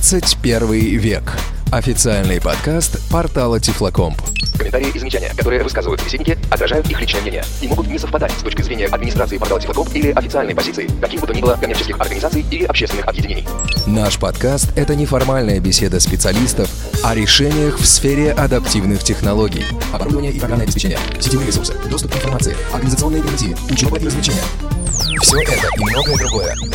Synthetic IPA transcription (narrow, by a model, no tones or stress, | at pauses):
sɨtʲpʲe̞rvɨjvʲek | ɐfʲɪt̪sɨalʲnɨjpɐ̰t̪kast̪pɐrt̪alˠətʲɪflˠɐko̞mp | kəmʲɪnt̪aɾʲɪɪʔɪzəmʲɪt͡ɕanʲɪjə̰kɐt̪oɨjəvɨskazɨvəjʊt̪səbʲɪsedʲnʲɪkʲɪɐt̪ɾɐʐajʊt̪ixlʲit͡ɕnəjəmnenʲɪ̰jə̰ | imo̞ɡʊt̪nʲɪsəfpɐd̪atʲst̪o̞t͡ɕʲkəzɾʲenʲɪjəʔɐd̪mʲɪnʲɪst̪ɾat̪sɨɪpɐrt̪alətʲɪflˠkompilʲɪʔɐfʲɪt̪ɨalʲnəjpɐzʲit̪sɨɪkɐkʲibɨt̪ʊnʲibɨlˠəkɐmʲert͡ɕɪskʲɪxɐ̰rɡənʲɪzat̪sɨjilʲɪʔɐpɕːest̪vɪnɨxɐbjɪdʲɪnʲen̰ʲj | naʂpɐt̪kast̪ɛt̪ənʲɪfɐrmalʲnəjəbʲɪsʲe̞d̪əspʲɪt̪sɨɐlʲist̪əf | ɐɾʲɪʂɛnʲɪjəxfsfʲeɾʲɪʔɐd̪ɐptʲivnɨxtʲɪxnɐlˠoɡʲɪ̰j | ɐbɐɾud̪əvənʲɪjəʔikɐɡanəjɐbʲɪs̬ʲpʲɪt͡ɕenʲɪ̰jə̰ | sʲɪ̥tʲenɾʲɪsursɨ̥̰d̪o̞st̪ʊpkɨɪnfɐrmat̪sɨɪ̰ɐrɡənʲɪzət̪ɨo̞nːɨjɪɡʲɪnʲzʲiɪʊt͡ɕɪovəʔiɾəzvlʲɪt͡ɕenʲɪjə̰ | fsʲoʔɛt̪əʔimno̞ɡəjəd̪ɾʊɡo̞jə̰